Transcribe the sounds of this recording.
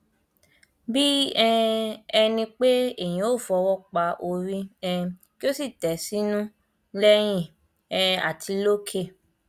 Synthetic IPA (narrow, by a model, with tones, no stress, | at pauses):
bi˦ɛ̃˦ɛ˧nĩ˧k͡pe˦e˦˨j̃ĩ˧o˦˨fɔ˧wɔ˦k͡pa˧ʔo˧ɾĩ˦ɛ̃˦˧ki˦o˦si˦˨tɛ˨˦si˦nũ˦ | lɛ˦j̃ĩ˦˨ | ɛ˧a̰˨tʰi˨˧˦lo˦kʰe˦˨